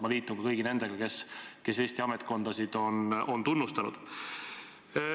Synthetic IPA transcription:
mɑliːt̪ːˑuɡɑkɤjɡ̥ine̞nd̪̥e̞ɡ̥ɑke̞ske̞seːsʲt̪iɑmet̪ˑko̞nd̪̥ɑsid̪̥o̞no̞nt̪unːust̪ɑnṵd̪̥

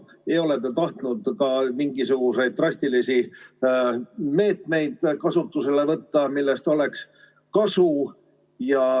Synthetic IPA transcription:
eo̞le̞t̪ːˑet̪ɑht̪nud̪̥kɑmiŋɡisuɡ̥use̞jd̪̚t̪rɑsʲt̪ilisi | me̞ːt̪me̞jd̪̥kɑsut̪ːuse̞le̞vɤt̪ːɑmilːe̞st̪o̞le̞ks | kɑsu | jɑ

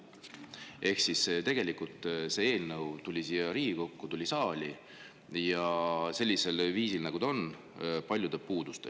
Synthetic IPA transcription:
ʔe̞hksist̪e̞ɡ̥e̞likult̪ˑse̞e̞ːlnɤwt̪ulʲisiːjɑɾiːɡiko̞kːut̪ulʲisɑːlʲi | jɑse̞lʲːise̞lviːsilnɑɡ̥ud̪o̞n | pɑlʲjud̪e̞puːd̪̥ust̪e

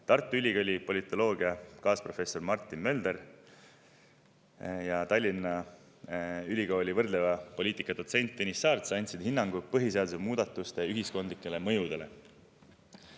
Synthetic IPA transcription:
t̪ɑrt̪ːˑuylʲiɡ̥olʲipo̞lʲit̪ːˑo̞lo̞ːɡ̥iɑkɑːspro̞fe̞sːo̞rmɑrt̪ːˑinmø̞ld̪̥e̞ɾ | jɑt̪ɑlʲːinːɑ | ylʲiɡ̥o̞ːlʲivɤrd̪̥levɑpo̞lʲiːt̪ˑikːˑɑd̪o̞t̪se̞nʲt̪ˑːenisːɑːrt̪sɑnʲt̪sid̪̥hinːɑŋɡ̥upɤɦiseɑd̪usemuːd̪̥ɑt̪ːˑust̪e̞yɦisko̞nd̪likˑːe̞le̞mɤ̞jud̪̥e̞le̞̰

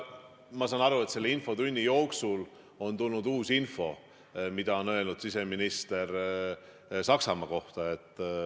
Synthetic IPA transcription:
mɑsɑːnɑɾue̞t̪se̞lːeinfo̞t̪unʲːijo̞ːksul | o̞nt̪ulnud̪uːsinfo̞ | mid̪̥ɑo̞nø̞lnud̪̥sise̞minist̪e̞ɾ | sɑksɑmɑko̞ht̪ɑe̞t̪ːˑ

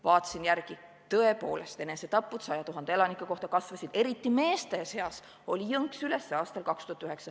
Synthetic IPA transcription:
vɑːt̪ːˑɑ̥sinjærɡ̥i | t̪ɤ̞e̞po̞̰ːle̞st̪e̞neset̪ɑpːˑud̪̥sɑjɑt̪uɦɑnd̪ee̞lɑnikːˑɑko̞ht̪ɑkɑsvɑsid̪̥e̞ɾit̪ːˑime̞ːst̪e̞se̞ɑs | o̞lʲijɤŋksyle̞sːɑːst̪ɑlkɑkst̪uhɑt̪ːyɦe̞ksɑ

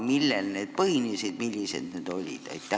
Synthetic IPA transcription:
milːelneːt̪pɤinisid̪milʲːisḛt̪nyt̪olʲḭt̪ɑ̰it̪t̪ːæ

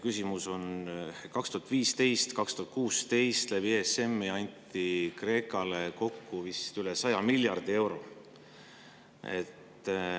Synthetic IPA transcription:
kysʲimuso̞nkɑkst̪uhɑt̪ːˑviːst̪e̞jst̪kɑkst̪uhɑt̪̚kuːst̪e̞jst̪leviese̞mːɑnʲt̪ːˑikre̞ːkˑɑleko̞kːuvist̪ylesɑjɑmilʲjɑrd̪̥ie̞wɾo̞ | e̞̰t̪ːˑ

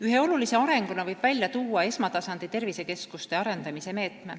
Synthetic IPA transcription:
yɦe̞o̞lulise̞ɑɾe̞ŋɡ̥unɑvɤjb̥vælʲjɑt̪uːɑe̞smɑt̪ɑsɑnd̪̥it̪e̞rvise̞ke̞skust̪e̞ɑɾe̞nd̪̥ɑmise̞me̞ːt̪me̞

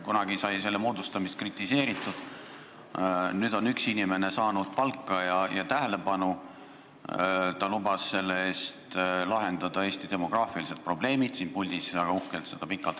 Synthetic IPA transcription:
kunɑɡ̥isɑjse̞lːemo̞ːd̪ust̪ɑmist̪krit̪ːˑise̞ːɾit̪ːˑud̪̥ | nyːd̪̥o̞nyksinime̞ne̞sɑːnud̪̥̚pɑlkːɑjɑjɑt̪æɦe̞le̞pɑnu | t̪ɑlubɑsːe̞lːe̞e̞ːst̪lɑɦe̞nd̪̥ɑd̪̥ɑe̞ːst̪id̪e̞mo̞ɡ̥rɑːfilise̞t̪̚pro̞ble̞ːmid̪̥siːnpulʲd̪isæɡ̥ɑuhkelt̪se̞d̪̥ɑpikːˑɑlt̪ˑ

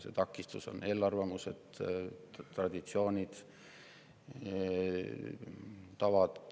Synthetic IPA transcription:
sḛt̪ɑkːˑist̪uso̞̰ne̞ːlːɑrvɑmused̪̥ | t̪rɑd̪̥ʲit̪sio̞ːnʲid̪̥ | t̪ɑvɑd̪̥

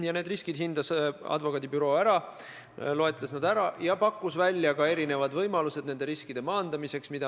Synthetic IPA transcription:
jɑne̞ːd̪riskid̪̥ɦind̪̥ɑsɑ̰d̪vo̞kːˑɑːd̪̥ibyɾo̞ːæɾɑ | lo̞e̞t̪ˑlesnɑd̪̥æɾɑjɑpɑkːˑusvælʲːjɑkɑe̞ɾine̞vɑd̪vɤjmɑluse̞d̪̥̚ne̞nd̪e̞ɾiskid̪̥e̞mɑːnd̪̥ɑmise̞ksmid̪̥ɑ

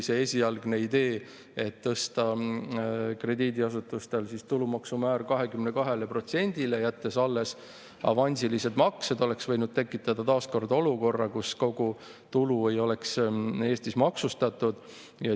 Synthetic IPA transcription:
seesʲiɑlɡne̞id̪e̞ː | e̞t̪ːɤst̪ɑ | kre̞d̪iːd̪iɑsut̪ːˑust̪e̞lsist̪ulumɑksumæːrkɑɦe̞kymnekɑɦe̞lepro̞t̪se̞nʲd̪̥ile̞jæt̪ːe̞sɑlːe̞s | ɑ̰vɑnʲsilise̞d̪̥mɑksed̪o̞le̞ksvɤ̞jnud̪̥̚t̪e̞kːˑit̪ːˑɑd̪ɑt̪ɑːsko̞rd̪o̞luko̞rːɑkusko̞ɡ̥u | t̪ulue̞jo̞le̞kse̞ːst̪ismɑksust̪ɑt̪ˑud̪̥ | jɑ

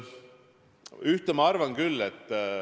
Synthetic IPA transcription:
yht̪emɑɑrvɑnkylːet̪ː

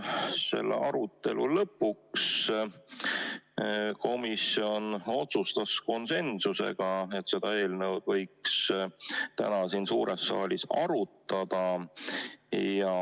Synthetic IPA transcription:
se̞̰lːḛɑɾut̪ːˑe̞lṵlɤpːˑuks | ko̞misjo̞no̞t̪sust̪ɑsko̞nse̞nsuse̞̰ɡ̥ɑe̞t̪se̞d̪̥ɑe̞ːlnəwd̪vɤ̞jks | t̪æ̰nɑsinsuːɾesːɑ̰ːlʲisɑɾut̪ːˑɑd̪̥ɑ | jɑ

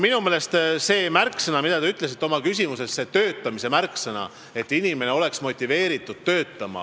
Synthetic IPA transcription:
minumeːle̞st̪se̞ːmærkːˑsɤnɑmid̪̥ɑt̪ɑyt̪ːˑle̞s̬it̪ːˑo̞mɑkys̬ʲimuse̞sːe̞t̪øːt̪ˑːɑmise̞mærksɤnɑ̰ | e̞t̪ˑːinime̞neo̞le̞ksmo̞t̪ʲːive̞ːɾit̪ːˑud̪̥̚t̪ø̞ːt̪ːˑɑmɑ̰

